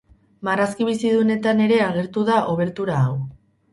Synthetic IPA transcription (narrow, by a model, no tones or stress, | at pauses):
maraskiβ̞isiðune̞t̪ane̞ɾe̞aɣ̞e̞ɾt̪uðaʔo̞β̞e̞ɾt̪uɾaːw